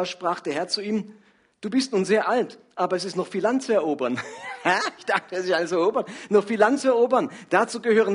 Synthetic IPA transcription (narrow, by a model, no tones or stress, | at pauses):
ɐʃpʁ̥aːχd̥eːɐɦɛɐt͡suiːm | d̥uːbɪstnuːnzeːɐʔaltʔaːbɐɛs̬ɪstnɔχfiːlantt͡suɛɐʔoːbɐnhaɪçd̥aχtəɛsɪsanət͡suɛɐʔoːbɐnnɔχfiːlantt͡suɛɐʔoːbɐnd̥at͡suːɡəhøːʁ̞ən